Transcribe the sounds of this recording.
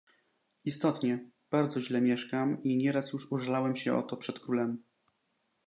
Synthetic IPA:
ist̪ɔt̪ɲɛ | b̥aɾd̪zɔʑlɛmʲjɛʂkamiɲɛɾasjuʂuʐɛlawɛmɕɛʔɔ̰t̪ɔpʂɛt̪kɾulɛm

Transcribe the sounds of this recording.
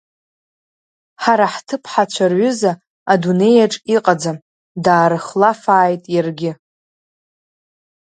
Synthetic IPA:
ħaɾaħtʰɨpʰħat͡ɕʷʰarɥʊza | adune̞jaʈ͡ʂʼiqʼad͡zam | daːɾɨχlafaːjtʼjarɡʲɪ

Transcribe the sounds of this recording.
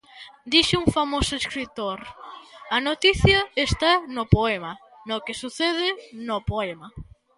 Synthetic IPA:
d̪iʃɪuŋfamosʊeskɾit̪oɾɐnot̪iθjɐest̪anʊpoemɐ | nʊkesuθeðɪnʊpoɛma

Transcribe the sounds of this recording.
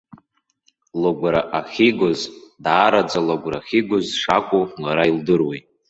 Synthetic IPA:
loɡʷɾaʔaχʲiɡʷozdaːɾad͡zalaɡʷraχʲiɡʷʊzʂakʷʼomaɾaildɨrwe

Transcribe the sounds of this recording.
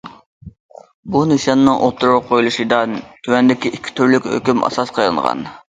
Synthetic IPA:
buneʃjɑnːɨŋʔo̰lˠt̪ʰːuɾuɾʊpqʰojulˠuʃɨd̪ɑnt̪ʰywɛnd̪ɪkʲiʔikʲʰːi̥t̪ʰyɾlykʲhø̰kʲymɑ̰sɑsqʰɑjlˠɨ̰ŋʁɑ̰n

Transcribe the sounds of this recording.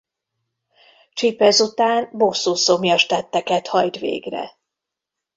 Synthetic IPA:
t͡ʃipːɛzut̪aːnbosuːsomjɒʃt̪ɛt̪ːɛkɛt̪hɒjt̪ʋḛːɡrɛ̰

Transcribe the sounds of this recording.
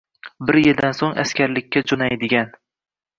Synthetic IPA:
bɪɾjɪld̪ansoŋa̰skʲaɾlɪkʲːad͡ʒonajd̪ɪɡʲan

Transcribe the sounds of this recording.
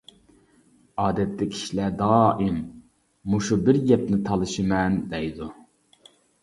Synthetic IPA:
ɑːd̪ɛt̪ːɪkʲʰi̥ʃlɛd̪ɑːʔimː | uʃubɪɾjɛpnɪt̪ʰɑlˠɨʃɨmɛnd̪ɛjd̪u

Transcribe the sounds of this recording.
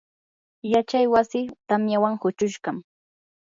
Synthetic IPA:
jat͡ʃajwasɪt̪amjawaŋhʊt͡ʃʊʃɢɑm

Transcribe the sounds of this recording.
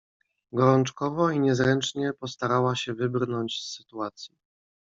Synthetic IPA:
ɡɔɾɔnt͡ʂkɔvɔiɲɛzɾɛnt͡ʂɲɛpɔst̪aɾawaɕɛvɘbrnɔɲt͡ɕsːɘ̥t̪uat̪sʲji

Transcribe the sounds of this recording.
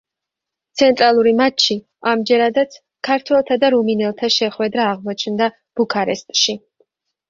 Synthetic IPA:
t̪sʰɛnt̪ʼɾalˠuɾimat͡ʃʰːi | amd͡ʒɛɾad̪at̪sʰ | kʰaɾt̪ʰwɛlˠt̪ʰad̪aɾuminɛlˠt̪ʰaʃɛχwɛd̪ɾaːʁmɔt͡ʃʰnd̪a | b̥ukʰaɾɛ̰st̪ʼʃi

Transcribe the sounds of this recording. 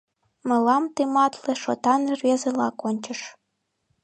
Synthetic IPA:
mɤ̆lɑmt̪ɨmɑt̪lĕʃot̪ɑnervʲezelɑkonʲt͡ɕə̆ʃ

